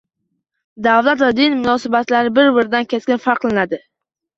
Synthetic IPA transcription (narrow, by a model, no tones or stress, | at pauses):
d̪avlat̪vad̪ɪnmʊnɒsɪbat̪laɾɪbɪɾbɪɾɪd̪ankʲeskʲɪnfaɾqlanad̪ɪ